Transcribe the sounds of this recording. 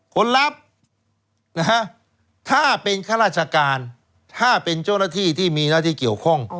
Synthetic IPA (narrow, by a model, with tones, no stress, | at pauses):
kʰo˧˥nla˦˥p̚ | na˦˥ka˦˥ | t̪ʰaː˥˩pe˧nkʰa˥˩ɾaː˥˩t̪̚t͡ɕʰa˧kaː˧n | t̪ʰaː˥˩pe˧nt͡ɕaː˥˩wnaː˥˩t̪ʰiː˥˩t̪ʰiː˥˩miː˧naː˥˩t̪ʰiː˥˩ki˨˩əwkʰɔ˥˩ŋ